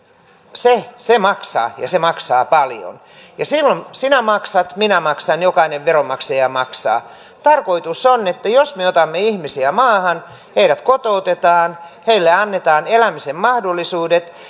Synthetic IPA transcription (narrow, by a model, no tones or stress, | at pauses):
sesemɑksɑ̰ːjɑ̰semɑksɑːpɑljo̰n | jɑsilːonsinæmɑksɑt̪minæmɑksɑnjokɑineʋʋeromɑksejɑmɑksɑ̰ː | t̪ɑrkoit̪usonet̪ːæjosmeot̪ɑmːeihmisiæmɑːhɑn | heiɾæt̪kot̪out̪et̪ɑːnheilːeɑnːet̪ɑːnelæmisemmɑhdolːisuːdet̪